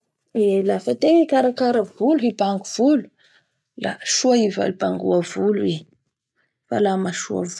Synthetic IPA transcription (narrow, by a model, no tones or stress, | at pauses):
elafat̪eikaɾakaɾavuluɦibaŋɡuv̥ulu̥ | la̰ʃuaiva̰libaŋɡuavulue | fa̰lamaʃua̰v